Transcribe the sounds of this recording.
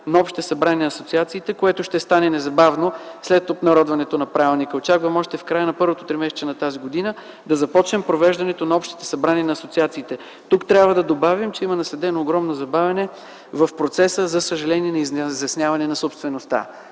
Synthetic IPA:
nɐɔpʃt̪ɛsɐbɾaninɐːsot̪siat̪siːt̪ɛkoɛt̪ʊʃt̪ɛst̪anɛnɛzɐbavnoslɛt̪op̪nɐɾɔd̪vɐnɛt̪onɐpɾavɛlˠnikəot͡ʃakvəmɔʃt̪ɛfkɾajənɐpɤɾvot̪ot̪ɾimɛsɛ̥t͡ʃɛnɐt̪aziɡod̪inə | d̪ɐzɐpɔt͡ʃnɛmpɾovɛʒd̪ɐnɛt̪onɐɔpʃt̪i̥t̪ɛ̥sɐbɾaninɐːsot̪siat̪siːt̪ɛ | t̪ukt̪ɾʲabvɐd̪ɐd̪obavimt͡ʃɛimɐnɐslɛd̪ɛnoːɡɾɔmnozɐbavʲɛnɛ | vɐfpɾot̪sɛsəzɐsəʒɐlɛniɛnɐizzjɐsnʲjavɐnɛnɐsopst̪vɛnost̪a̰

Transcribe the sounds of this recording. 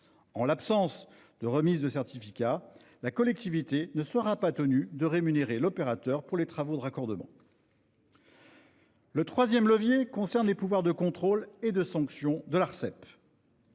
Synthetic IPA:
ɑ̃lapsɑ̃s | d̪̥əʁəmizd̪əsɛʁt̪ifikʲa | lakɔlɛk̚t̪ivit̪enəsəʁapat̪ənyd̪əʁemyneʁelɔpeʁat̪œʁpuʁlet̪χavod̪əʁakɔʁd̪əmɑ̰̃ | lət̪χwazjɛmləvjekɔ̃sɛʁnlepuvwaʁd̪əkɔ̃t̪χoled̪əsɑ̃ksjɔ̃d̪əlaʁsɛp

